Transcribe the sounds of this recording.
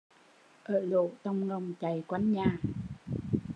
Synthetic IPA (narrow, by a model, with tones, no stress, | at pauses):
ʔəː˧˩lo̰˧˨t̪ə˧wŋ͡mŋə˨˧˩wŋ͡mt͡ɕa˨˩jkwa˨˧˦jŋɲaː˨˩